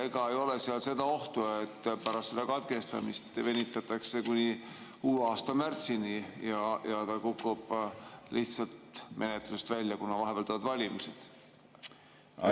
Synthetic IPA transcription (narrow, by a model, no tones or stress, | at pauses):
eɡɑejo̞le̞seɑlse̞d̪ɑo̞ht̪uet̪ːpæɾɑst̪sed̪ɑkɑt̪ke̞st̪ɑ̰mist̪ve̞nʲit̪ːˑɑt̪ːˑɑkse̞kunʲi | kuːluɑːst̪ɑmært̪sinijɑjɑt̪ɑkukːˑub̥liht̪sɑlt̪mʔe̞net̪lusest̪vælʲːjɑkunːɑvɑɦebɑlt̪ɑɑd̪vɑlʲimised̪̥